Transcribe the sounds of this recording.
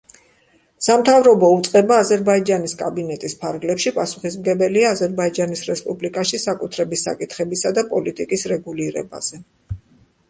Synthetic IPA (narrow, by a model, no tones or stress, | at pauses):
samt̪ʰavɾɔbɔut̪sʼqʼɛbaːzɛɾbaid͡ʒaniskʼabinɛt̪ʼispʰaɾɡlɛpʃipʼasu̥χismɡɛbɛliaːzɛɾbaid͡ʒanisɾɛspʼublikʼaʃisakʼut̪ʰɾɛbisa̰kʼit̪ʰχɛbisad̪apʼɔlit̪ʼikʼisɾɛɡuliɾɛ̰ba̰z̥ɛ